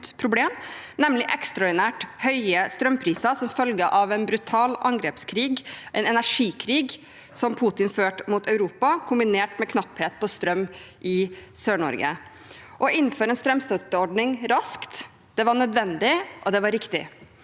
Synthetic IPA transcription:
pʰɾʊbleːmnɛmlɪʔɛkst̪ɾɑɔɖɪnæːʈhœʏəst̪ɾœmpʰɾiːsɑsɔmfœlɡəʔɑʋɛnbɾʉt̪ʰɑːlʔɑŋɡɾeːpskʰɾiːɡʔɛɪnɛnæʂiːkʰɾiːɡ | sɔmpʰuːt̪ɪnføːʈmuːt̪ʰœʉɾuːpɑkʰʊmbɪneːʈmɛkʰnɑpheːt̪̚pʰɔst̪ɾœmːʔɪsøːɳɔ̰ɾɡə̰ | ʔɔɪnːføːɾɛːnst̪ɾœmst̪œt̪ːəɔɖnɪŋɾɑskt̪ | d̪̥ɛʋɑɳœd̪ʋɛnd̪ɪʔɔd̪ɛʋɑɾɪkt̪ɪ̰

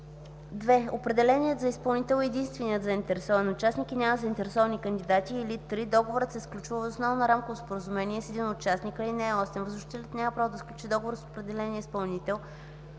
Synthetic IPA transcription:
d̪vɛopɾɛd̪ɛlɛnʲiət̪zɐispɐlˠnit̪ɛlˠɛd̪inst̪vɛnijət̪zəint̪ɛɾɛsɔvɐnot͡ʃasnikinʲaməzəint̪ɛɾɛsɔvɐnikənd̪ʲid̪at̪iːlit̪ɾid̪ɔɡovoɾəsɛsklʲut͡ʃuvəvzʊsnɔvnɐɾamkovospoɾəzumɛniɛsɛd̪inot͡ʃasnikəlinɛːɔst̪ɛnvəzʊʃi̥t̪ɛlʲət̪nʲaməpɾavod̪ɐsklʲut͡ʃid̪ɔɡovoɾəsopɾɛd̪ɛlɛnʲiəispɐlˠnit̪ɛlˠ

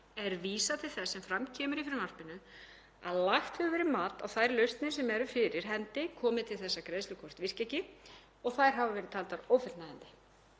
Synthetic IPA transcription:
ɛɾviːsat̪ʰɪlθɛsːɛmfɾamcʰɛːmʏɾifɪɾɪɾmar̥pɪnʏ | a̰ðlaxt̪ʏɣvɛɾɪmaːt̪a̰wθajɾlœɥst̪nɪsɛmɛɾʏfɪɾɪɾ̥ɦɛnt̪ɪkʰɔːmɪðt̪ʰɪlθɛsːakɾeðslʏkʰɔr̥t̪vir̥cɛcɪ | ɔɣθajɾ̥ɦavavɛːɾɪðt̪ʰaːlt̪aɾoːwfɪlt̪naðɛnt̪ɪ̥

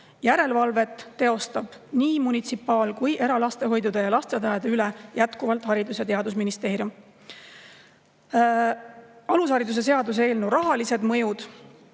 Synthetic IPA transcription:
jæɾe̞lvɑlve̞t̪ːe̞o̞st̪ɑb̥niːmunit̪sipːɑːlkujʔe̞ɾɑlɑst̪e̞ɦo̞jd̪ud̪̥ejɑlɑst̪e̞t̪ɑjed̪eylejæt̪kuvɑlt̪ˑhɑɾid̪usjɑt̪e̞ɑd̪us̬minist̪e̞ːɾjum | ɑlushɑɾid̪us̬e̞s̬e̞ɑd̪us̬e̞ːlnurɑɦɑlise̞d̪mɤ̞jud̪̥

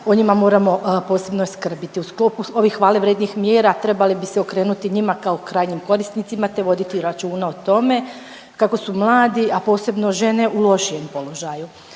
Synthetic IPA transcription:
o̞ɲimamo̞ːɾamo̞po̞ːse̞bnoiskr̩bit̪iusklˠo̞ːpuo̞ʋixːʋaːleʋɾeːd̪nixmjeːɾat̪ɾe̞balibiseo̞kɾe̞ːnut̪iɲimakaokɾaːjɲimko̞ɾisnit̪simat̪e̞ʋo̞d̪it̪iɾat͡ʃuːnaot̪o̞me̞ | kako̞sumlˠaːd̪iʔapo̞ːse̞bno̞ʒe̞ne̞ʔulˠo̞ʃije̞mpo̞lo̞ʒaju

